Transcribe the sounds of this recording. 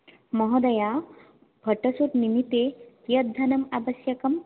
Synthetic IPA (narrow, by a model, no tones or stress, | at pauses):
mɔɦɔd̪ɐja | bʱɐʈɐsuʈnimit̪e | jɐd̪ʱɐnɐmabɐsjɐkɐm